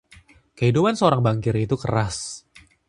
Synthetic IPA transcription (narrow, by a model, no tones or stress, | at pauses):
kəɦidupansəoɾaŋbaŋkɪɾit̪ukəɾas